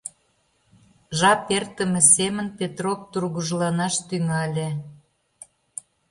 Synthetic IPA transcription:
ʒɑpert̪ə̆mĕsemə̆npet̪ropt̪urɣuʒlɑnɑʃt̪yŋɑlʲĕ

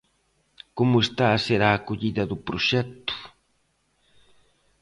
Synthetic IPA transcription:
kʊmʊest̪aːseɾakʊʎid̪ad̪upɾoʃekt̪ʊ̥

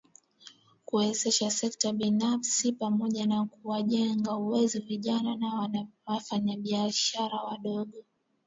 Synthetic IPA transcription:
kuɛzɛʃasɛktaɓinafsipamɔʄanakuwaʄɛŋɡauwɛzɔviʄananawafaɲaɓiaʃaɾawaɗɔɠɔ

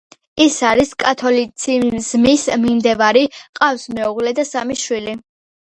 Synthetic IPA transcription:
isaɾiskʼat̪ʰɔlit̪sʰizmismimd̪ɛvaɾiqʼafsmɛuʁlɛd̪asamiʃwili

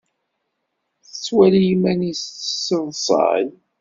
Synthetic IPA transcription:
θət͡sːwælijimænisə̥səvˤsˤɑ̰n

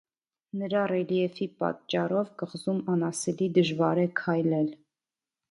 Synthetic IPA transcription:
nəɾɑrɛliɛfipɑ̰t̪t͡ʃːɑrɔvkəʁzumɑnɑsɛlid̪əʒvɑɾɛkʰɑjlɛl

